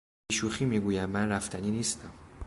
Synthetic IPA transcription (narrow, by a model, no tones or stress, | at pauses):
iʃuːxiːmiɡuːjæmmænræft̪ʰæniːniːst̪ʰæm